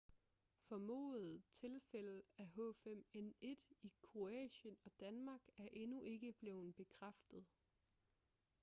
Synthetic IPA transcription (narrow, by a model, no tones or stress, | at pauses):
fɒ̽mo̰ːð̩ˠt͡sʰe̝lfel̰əæɦɔ̰̽ːfem̰ene̝d̥ikʰʁo̝ɛ̰ːɕənɒ̽d̥ænmɑ̈ːɡ̥æɐʔe̝nuʔe̝ɡ̥əb̥le̝ːʊðn̩ˠb̥e̝kʰʁafd̥ð̩ˠ